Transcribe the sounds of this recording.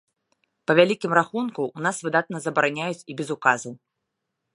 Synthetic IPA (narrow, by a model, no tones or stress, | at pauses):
pɐvʲalʲikʲimɾaxunkuːnasvɨd̪at̪̚nɐzɐbɐɾanʲajut͡sʲibʲɛzukazɐw